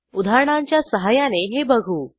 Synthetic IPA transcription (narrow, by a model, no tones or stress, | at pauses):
ud̪ʱaɾəɳaɲt͡ɕjasəɦajaneɦebəɡʱuː